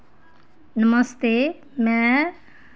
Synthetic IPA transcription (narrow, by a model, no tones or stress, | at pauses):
nəməst̪e | mɛ̃